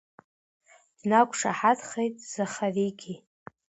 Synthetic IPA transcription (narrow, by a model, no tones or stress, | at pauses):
d̥nakʷʰʼʂaħatχejtʼz̥aχaviɡʲi